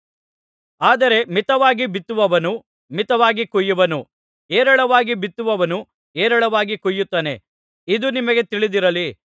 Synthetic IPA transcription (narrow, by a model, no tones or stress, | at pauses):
aːd̪ɐɾe̞mit̪ɐʋaːɡibit̪ːuʋɐʋɐnu | mit̪ɐʋaːɡikujːuʋɐnu | eːɾɐɭɐʋaːɡibit̪ːuʋɐʋɐnu | eːɾɐɭɐʋaːɡikujːut̪ːɐːne̞ | id̪unimɐɡe̞t̪iɭid̪iɾɐli